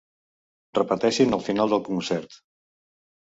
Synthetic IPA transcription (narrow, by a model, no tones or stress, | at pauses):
rəpət̪ɛʃinəlˠfinalˠd̪əlˠkunsɛɾt̪